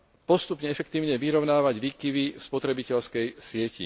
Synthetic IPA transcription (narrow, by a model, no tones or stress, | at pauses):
pɔst̪upɲɛɛfɛk̚t̪iːʊɲɛʋiɾɔʊnaːʋaɟʋiːkiʋifspɔt̪ɾɛbicɛʎskɛjsɪɛcḭ